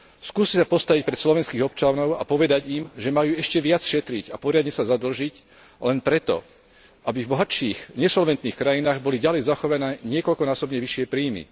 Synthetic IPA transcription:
skuːscɛsapɔst̪aʋic̚pɾɛt̪slɔʋɛnskiːɣɔp̚t͡ʃanɔʊa̰pɔʋɛd̪aɟimʒɛmajuːɛʃcɛʋɪat͡sʃɛt̪ɾicapɔɾɪad̪ɲɛsazad̪l̩ʒic | lɛnpɾɛt̪ɔ̰ | abivbɔɦaʃiːxɲɛsɔlʋɛnt̪niːxkɾajinaːɣbɔliɟalɛjzaxɔʋanɛːɲɪɛkɔʎkɔnaːsɔbɲɛʋiʃɪɛpɾiːmḭ

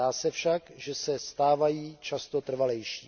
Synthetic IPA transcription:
aːsɛfʃakʒɛsɛst̪aːvajiːt͡ʃast̪o̞t̪r̩valɛjʃiː

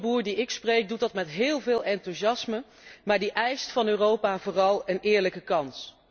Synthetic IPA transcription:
buːɹdiɪksprejk̚dut̚dɑtmɛtɦɪːlˠvɪːlˠɛntuzɑsmə | maːɹdiʔɛjstfɑnøːrowpaːvoːrɑlˠənɪːɹləkəkɑns

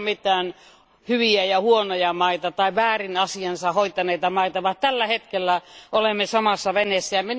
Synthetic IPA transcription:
mit̪ˑæːn | hyʋiæjɑhuonojɑmɑit̪ɑt̪ɑiʋæːrinɑsiɑnsɑhoit̪ɑneit̪ɑmɑit̪ɑʋɑt̪ælːæhet̪kelːæʔolemːesɑmɑsːɑʋenesːæjɑmi

